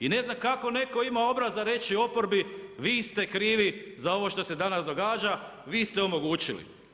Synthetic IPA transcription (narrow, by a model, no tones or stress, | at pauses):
ine̞znamkako̞ne̞ko̞imao̞bɾazaɾe̞t͡ʃio̞po̞ɾbiʋiːst̪e̞kɾiːʋizao̞ʋo̞ʃt̪o̞se̞d̪anasd̪o̞ɡaːd͡ʒa | ʋiːst̪eo̞mo̞ɡuːt͡ɕilḭ